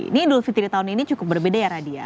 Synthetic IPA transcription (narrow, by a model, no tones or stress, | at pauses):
nidʊlfit̪iɾit̪aʊninit͡ʃukʊp̚bərbedajaɾadia̰